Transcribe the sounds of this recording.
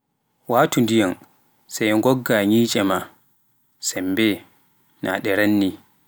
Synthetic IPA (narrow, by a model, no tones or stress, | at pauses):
waːtundijan | sajŋɡɔɡːaɲiːt͡ʃʼɛma | sɛmbɛ | na̰ɗɛɾanːi